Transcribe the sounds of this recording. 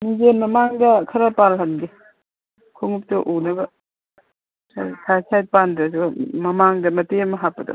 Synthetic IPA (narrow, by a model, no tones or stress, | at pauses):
nizenmɐmaŋdɐkʰɐɾapalɦɐnɡi | kʰuŋup̚tɔʔunɐbɐ | sasʰajsʰajt̚pandɐsumɐmaŋdɐmɐtemɐɦapːɐdɐ̰